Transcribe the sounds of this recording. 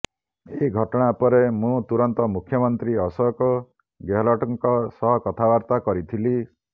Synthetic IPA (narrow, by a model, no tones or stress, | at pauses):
eɡʱɔʈɔɽ̃aːpɔɾemũt̪uɾɔnt̪ɔmukʰjɔmɔnt̪ɾiɔsɔkɔ | ɡeɦlɔʈɔŋkɔsɔɦɔkɔt̪ʰabaɾt̪akɔɾit̪ʰili